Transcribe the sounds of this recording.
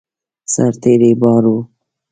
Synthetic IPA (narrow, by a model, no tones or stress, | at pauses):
saɾt̪eɾebɑːɾu